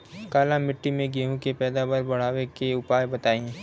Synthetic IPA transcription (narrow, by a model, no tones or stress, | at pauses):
kaːlãmɪʈːimẽɡeːɦũkepɛːd̪aʋaɾbɐɽ̤aːʋekeʊpaːjbɐt̪aːẽ